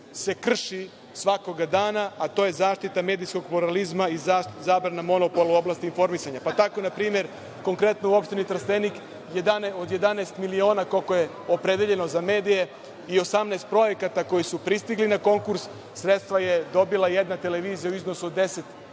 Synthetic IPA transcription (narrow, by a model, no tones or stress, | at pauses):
se̞kr̩ʃi | sʋako̞ɡad̪aːnaat̪o̞ːje̞zaːʃt̪it̪ame̞ːd̪isko̞ɡpluɾalizmaizaʃzaːbɾanamo̞no̞po̞lˠuo̞blaːst̪info̞ɾmisaɲapat̪ako̞napɾiːmje̞ɾ | ko̞ŋkɾe̞t̪nouo̞pʃt̪init̪ɾst̪enik | jed̪anod̪je̞d̪aneːst̪milio̞ːnako̞lko̞je̞ | o̞pɾed̪eʎe̞no̞zame̞ːd̪ije̞ | io̞samneːst̪pɾo̞je̞kat̪ako̞jisupɾist̪iɡlinako̞ŋkuɾsː | ɾet̪st̪ʋaje̞d̪o̞bilˠajed̪nat̪e̞le̞ʋiːzijauizno̞suod̪ːe̞se̞t̪